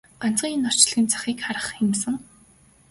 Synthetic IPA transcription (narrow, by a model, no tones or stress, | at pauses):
an̥t͡sɢ̥iːŋenɔr̥t͡ɕ̆ɮɣiːnt͡sʰḁxiːkχaɾə̆χxemsɘ̆ŋ